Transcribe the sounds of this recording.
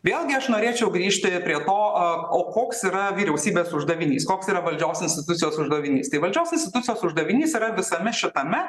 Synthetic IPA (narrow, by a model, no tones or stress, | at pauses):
ʋʲeːlˠɡʲɪɐʃnoːɾʲeːt͡ʃʲɛʊɡɾʲiːʃʲt̪ʲɪpʲɾʲiɛt̪oːoːkoːksiːɾɐʋʲiːɾʲɛʊsʲiːbʲeːsʊʒd̪ɐʋʲɪnʲḭːskoːksiːɾɐʋɐlʲd͡ʒʲoːsɪnsʲt̪ʲɪt̪ʊt̪sʲɪjoːsʊʒd̪ɐʋʲɪnʲḭːst̪ɐɪʋɐlʲd͡ʒʲoːsʲɪnsʲt̪ʲɪt̪ʊt̪sʲɪjoːsʊʒd̪ɐʋʲɪnʲiːsiːɾɐʋʲɪsɐmʲɛʃʲɪt̪ɐmʲɛ